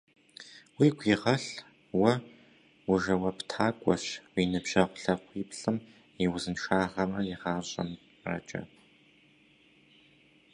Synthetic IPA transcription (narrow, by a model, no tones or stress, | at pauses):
wiːɡʷʰiːʁɐɬ | wɐ | wʊʒɐwɐptʰaːkʷʼɔɕwiːnɨbʒ̥ɐʁʷʊɬɐqʷiːpɬɨm | iwʊzɨnʃaːʁɐmɐjɪʁaːɕʼɐ̰m | rɐ̰t͡ʃʼɐ̰p̚ʰ